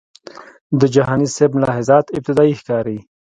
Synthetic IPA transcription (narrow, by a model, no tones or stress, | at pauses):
d̪əd͡ʒaɦɑnisebmlɑhɪzɑt̪ɪb̚t̪ɪd̪ɑixkɑːɾi